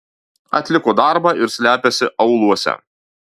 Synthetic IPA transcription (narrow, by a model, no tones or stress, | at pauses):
ɐ̰t̪ʲlʲɪkoːd̪ɑɾbɑʔɪɾsʲlʲæːpʲɛsʲɪʔɐʊlˠuɔsʲɛ̰